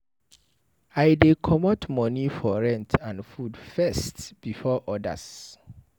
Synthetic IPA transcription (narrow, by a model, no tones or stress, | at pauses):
aɪdekʰɔmɔtmɔnifɔɹɛ̃ntʰãnfudfɛstb̥ifɔʔɔda̰s